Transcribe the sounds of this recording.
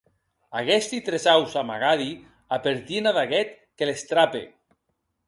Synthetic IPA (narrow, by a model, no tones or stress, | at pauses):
aɣest̪it̪ɾezawzama̰ɣaði | apeɾt̪inaðaɣɛt̪ | kelest̪ɾapḛ